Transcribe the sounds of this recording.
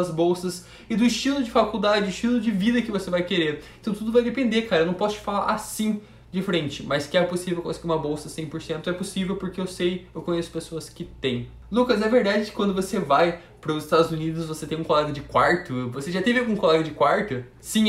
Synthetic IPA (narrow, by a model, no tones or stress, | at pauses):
ɐzbowsɐs | ɪd̪ʊist͡ʃilʊd͡ʒɪfakud̪ad͡ʒɪd̪ʊist͡ʃilʊd͡ʒɪvid̪ɐkɪvosevajkeɾeɾeẽt̪ɐ̃w̃t̪ud̪ʊvajd̪epẽnd̪eɾkaɾɐewnɐ̃w̃pɔsʊt͡ʃɪ̥falaɾʔasĩ | d͡ʒɪfɾẽnt͡ʃɪmɐskɪɛposivewkõsɪɡiũmɐbowsɐsẽj̃poɾsẽnt̪ʊɛposivewpoɾkeewsejewkõɲesʊ̥pesoɐskɪt̪ẽj̃ | lukɐzɛveɾd̪ad͡ʒɪd͡ʒɪkwɐ̃nd̪ʊvosevaj | pɾʊzɪst̪ad̪ʊzunid̪ʊzvoset̪ẽj̃ũkolɛɡɐd͡ʒɪkwaɾt̪ʊvoseʒat̪ẽvɪawɡũkolɛɡɐd͡ʒɪkwaɾt̪ʊ | sĩ